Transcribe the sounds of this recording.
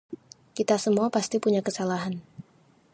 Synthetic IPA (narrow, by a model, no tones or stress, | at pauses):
kit̪asəmuapast̪ipuɲakəsalaɦan